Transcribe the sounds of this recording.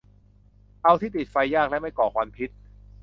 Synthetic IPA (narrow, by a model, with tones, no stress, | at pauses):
ʔa˧wt̪ʰiː˥˩t̪i˨˩t̪̚fa˧jːaː˥˩k̚lɛ˦˥ma˥˩jkɔː˨˩kʰwa˧mpʰi˦˥t̪̚